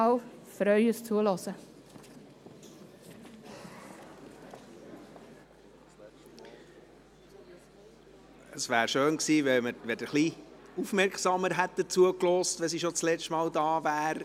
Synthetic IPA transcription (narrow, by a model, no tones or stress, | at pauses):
ɑw | fɾœʏəst͡suəlɔsə | əsʋæːɾʃøːnksiːvɛlməʋɛdəχliufmɛɾkχsɑːməɾɦɛt̚d̪ət͡suəklɔːstvɛs̬iʃot͡slɛt͡ʃtmɑːldɑːvæːɾ